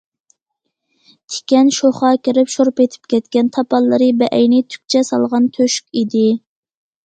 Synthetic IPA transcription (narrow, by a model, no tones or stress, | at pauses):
t̪ʰe̥kʲɛnʃoχɑkʲɪɾɪpʃoɾpet̪ʰɪ̥pkʲɛt̪kʲɛnt̪ʰɑpʰɑlˠːɨɾɨbɛʔɛjnɪt̪ʰy̥k̚ʲt͡ʃʰɛsɑlˠʁɑnt̪ʰøʃy̥kʲid̪ɪ